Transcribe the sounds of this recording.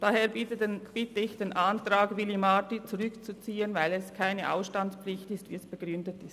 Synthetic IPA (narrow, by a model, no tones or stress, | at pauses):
d̥aheːbitəb̥ɪtəɪçd̥eːnʔantʁaːɡvɪlimatit͡suʁʏkt͡sut͡siːənvaɪlɛskʰaɪnəʔa̰ʊsʃtanspflɪçtɪstvḭːɛsb̥əɡ̥ʁʏndətɪst